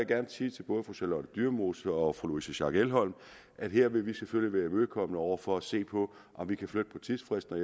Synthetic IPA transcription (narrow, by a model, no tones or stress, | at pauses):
ɡ̥æɐnsiːt͡sʰe̝b̥ɔ̽ːð̞ˠfʁoselɒnəd̥yɐmo̝ːsəɒ̽fʁoloisəɕɑ̈ɡ̥elɦɒ̽l̰m | ʔæd̥ɦe̝ɐ̰ʋe̝ʋiseføljəʋæːɐmøðˠkʰɒ̽mnəɒʊ̰ɐfɒ̽æse̝̰ːpʰɒ̽ | ʔɒ̽mʋikʰæflød̥əpʰɒ̽t͡sʰiðˠfʁesd̥nɒ